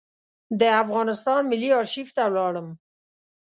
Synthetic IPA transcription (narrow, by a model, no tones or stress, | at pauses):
d̪əafɣɑnɪst̪ɑnmɪlːiɑɾʃift̪awlɑɽəm